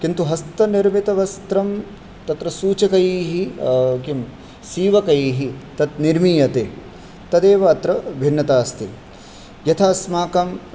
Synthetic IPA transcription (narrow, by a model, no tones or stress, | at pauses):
kint̪uɦɐst̪ɐniɾmit̪ɐʋɐst̪ɾɐm | t̪ɐt̪ɾɐsuːt͡ʃɐkɐjiːɦikim | siːʋɐkɐjiːɦit̪ɐt̪niɾmiːjɐt̪eː | t̪ɐd̪eːʋɐːt̪ɾɐbʱinːɐt̪aːst̪ḭ | jɐt̪ʰaːsmaːkɐm